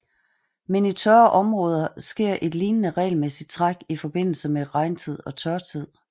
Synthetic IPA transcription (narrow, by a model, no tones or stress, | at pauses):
menit͡sʰœɐʔɒ̽mʁɔ̽ːð̞ˠɐsɡ̥e̝ɐ̰ʔe̝d̥liːnnəʁɛ̰ːɪlmesid̥̚t͡sʰʁɑɡ̥ifɒ̽b̥e̝n̰l̩səmeʁɑ̈ɪnt͡sʰið̞̰ˠɒ̽t͡sʰɶɐt͡sʰið̰ˠ